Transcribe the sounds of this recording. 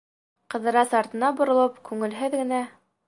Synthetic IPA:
qɤ̆ðɤ̆ɾɑsɑɾt̪ɤ̆nɑbŏɾŏlˠɤpkʉŋɘ̆lɦɘðɡɘ̆næ

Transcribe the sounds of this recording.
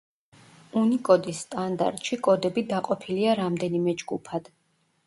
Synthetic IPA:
unikʼɔd̪isːt̪ʼand̪a̰ɾt̪ʼʃikʼɔd̪ɛbid̪aqʼɔpʰiliaɾamd̪ɛnimɛd͡ʒɡupʰad̪̥

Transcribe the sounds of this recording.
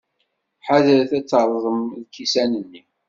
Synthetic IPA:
ħaðəɾθæt͡sːəɾˤðˤəmðkːisænənːi

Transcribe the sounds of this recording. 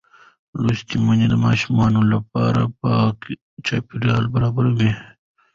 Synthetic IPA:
lust̪imaɲed̪əmɑːʃumɑːnolapɑ̰ɾa̰pɑk | t͡ʃaːpiɾɑlbɐɾɑːbaɾwi

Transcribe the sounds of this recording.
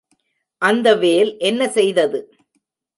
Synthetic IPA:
ʔɐnd̪ɐʋeːlʔɛnːɐsɛjðɐðɯ

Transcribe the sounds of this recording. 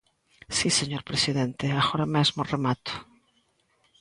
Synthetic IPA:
siseɲoɾpɾesiðent̪eaɣoɾamezmoremat̪ʊ̥

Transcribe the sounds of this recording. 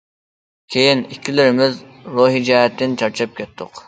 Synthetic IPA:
kʲʰejinikʲʰːilɪɾɪmɪz | ɾoɦid͡ʒɛɦɛt̪ːɪnt͡ʃʰɑɾt͡ʃʰɑp̚kʲʰɛt̪ʰːʊq

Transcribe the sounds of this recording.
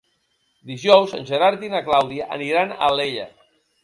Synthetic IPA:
d̪iʒɔwzə̰nʲʒeɾaɾt̪inaklawðiaʔːniɾana̰leʎa̰

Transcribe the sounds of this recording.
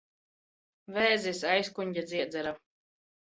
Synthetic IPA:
vɛːzisajskuɲʲɟʲad̪zʲiɛd̪zʲɛɾa

